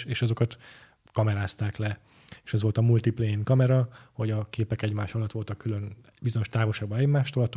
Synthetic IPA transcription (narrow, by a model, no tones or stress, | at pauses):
ʃeːʃɒzo̞kɒt̪ | kɒmɛɾaːst̪aːklɛ | eːʃɛzʋo̞lt̪ɒmult̪iplɛiŋkɒmɛɾɒho̞ɟɒkeːpɛkɛɟmaːʃɒlɒt̪ʋo̞lt̪ɒkːyløn | bizo̞ɲo̞ʃt̪aːvo̞ʃaːɡ̚bɒɛɟmaːʃt̪olɒt̪